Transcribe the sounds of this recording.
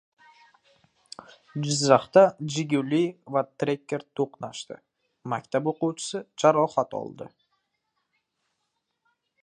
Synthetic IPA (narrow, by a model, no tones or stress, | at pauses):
d͡ʒɪzːɑχt̪ɑd͡ʒɪɡʲɪwlijvat̪ɾʲekʲːeɾt̪ʰoqnɑʃt̪ɪ̰ | makʲt̪ap̬oquwt͡ʃʰɪ̥sɨd͡ʒaɾɒχat̪ɒ̰lˠd̪ə̰